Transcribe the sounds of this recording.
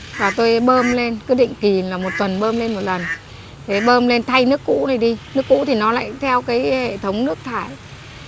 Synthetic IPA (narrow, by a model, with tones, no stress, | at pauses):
vaː˨˩t̪o˧jɓəː˧mle˧nkɨ˨˦ɗḭ˧˨ŋ̟ki˨˩laː˨˩mo˨˩t̚t̪wə˨˩nɓəː˧mle˧nmo˨˩t̚lə˨˩n | t̪ʰe˨˦ɓəː˧mle˧nt̪ʰa˧jnɨ˦˥əkːṵ˧˥na˨˩jɗi˧nɨ˦˥kːṵ˧˥t̪ʰi˨˩nɔ˨˦la̰ː˧˨jt̪ʰɛ˧wkaː˨˦jhḛ˧˨t̪ʰə˨˦wŋ͡mnɨ˦˥ək̚t̪ʰaː˧˩j